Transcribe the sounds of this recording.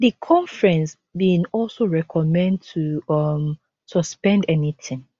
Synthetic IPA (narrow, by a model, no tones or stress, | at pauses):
ðikʰɔ̃ɱfɹɛ̃ns | bĩnɔlsoɹɛkʰɔmɛ̃ndtʰuʌm | sɔspɛ̃ndɛnitʰɪ̃ŋ